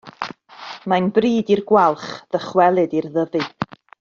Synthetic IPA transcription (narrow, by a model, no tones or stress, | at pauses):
manbriːdirɡwalˠχð̥əχwɛlˠɨdirðəvɨ